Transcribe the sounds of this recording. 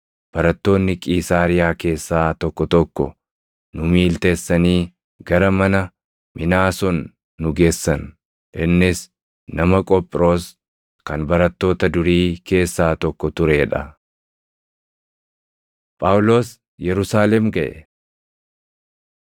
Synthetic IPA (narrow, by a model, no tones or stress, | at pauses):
b̥ɐɾɐt̪ːo̞ːnːɪkʼiːsaːɾɪjaːke̞ːsːaːt̪ɔkːɔt̪ɔkːɔ̰ | nʊmiːlt̪e̞ːsːɐniː | ɡɐɾɐmɐnɐ | mɪnaːsɔnː | ʊɡe̞ːsːɐn | ʔɪnːɪs | nɐmɐkʼɔpʼːɪɾo̞ːs | kɐnbɐɾɐt̪ːo̞ːt̪ɐd̪ʊɾiːkʰe̞ːsːaːt̪ɔkːɔt̪ʊɾeːᶑɐ | pʼawlo̞ːs | jɛɾʊsaːlɛmɡɐʔɛ̰